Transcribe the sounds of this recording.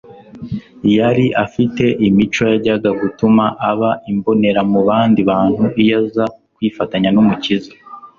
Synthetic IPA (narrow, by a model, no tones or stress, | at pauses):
jaɾiʔafite̞ʔimit͡ʃo̞jaɟaɡaɡutumaʔaβaʔimbo̞ne̞ɾamuβaːndiβaːn̥huʔijazakwiːfataɲanumuciza